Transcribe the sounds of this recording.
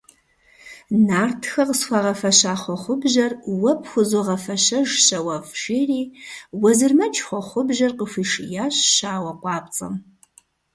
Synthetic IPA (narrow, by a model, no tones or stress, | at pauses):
naːrtʰxɐqəsxʷɑʁɐfɐɕaːχʷɔχʷʊbʒɐrwɐpʰxʷʊzoʁɐfɐɕɐʒɕɐwɐfʃiːriːwɐzɨrmɐt͡ʃʰʼχʷɔχʷʊbʒɐrqəfʷiːʃjaːɕɕaːwɐqʷɑːp̚ʼt͡sʼɐ̰m